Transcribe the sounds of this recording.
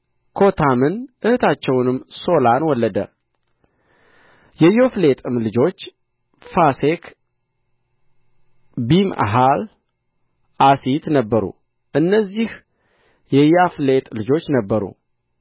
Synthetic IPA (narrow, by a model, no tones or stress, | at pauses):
kʰo̞t̪ʰamɨnʔɨhɨt̪ʰat͡ʃːɛwnɨmso̞lanwɔlːəd̪ə̰ | jɛjoflet̪ʼɨmlɨd͡ʒo̞t͡ʃː | fasek | bima̰ɦal | ʔasit̪nəbːəɾṵ | ʔɨnːəzːih | jɛjaflet̪ʼlɨd͡ʒo̞t͡ʃːnəbːəɾṵ